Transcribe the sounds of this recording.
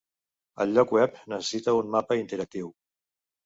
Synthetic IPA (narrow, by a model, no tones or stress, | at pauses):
ə̰lʎɔkwɛpnəsəsit̪əunmapəint̪əɾək̚t̪iw